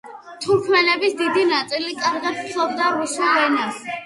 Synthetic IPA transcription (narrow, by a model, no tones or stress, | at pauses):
t̪ʰuɾkʰmɛnɛbisd̪id̪inat̪sʼilikʼaɾʁat̪ʰχʰlˠɔbd̪aɾusulˠvɛna